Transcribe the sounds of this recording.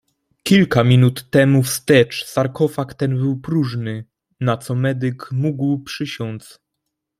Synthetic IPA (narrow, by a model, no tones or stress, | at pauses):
kʲilkamʲinut̪ːɛmufst̪ɛt͡ʂsaɾkɔfakt̪ɛnbɘwpɾuʐnɘ | nat̪sɔmɛd̪ɘkmuɡwpʂɘɕɔns